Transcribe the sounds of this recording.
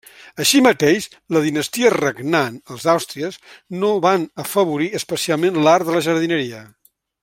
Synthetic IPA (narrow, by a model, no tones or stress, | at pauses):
əʃimət̪eʃʃ | ləðinəst̪iərəɡnanəlˠzawst̪ɾiəznoβanəfəβuɾiəspəsialˠmenlaɾðələʒəɾð̞inəɾiə